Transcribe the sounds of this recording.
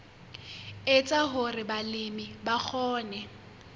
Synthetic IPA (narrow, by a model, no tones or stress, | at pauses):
ɪt͡sʼaɦʊrɪbalɪmɪbak͡xʰɔːnɛ